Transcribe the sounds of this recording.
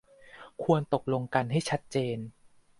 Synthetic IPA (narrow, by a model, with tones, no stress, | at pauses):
kʰu˧ənt̪o˨˩k̚lo˧ŋka˧nɦa˥˩jt͡ɕʰa˦˥t̪̚t͡ɕeː˧n